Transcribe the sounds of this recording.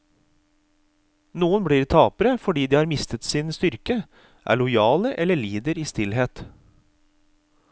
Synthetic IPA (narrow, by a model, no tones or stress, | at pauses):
nuːənbɽiːɾt̪ʰɑːpəɾəfɔɖiːd̪iːhɑːɾmɪst̪ət̪siːnst̪ʏɾkə | ʔæ̰ːɭʊjɑːləʔɛləɭiːd̪əɾiːst̪ɪlheːt̪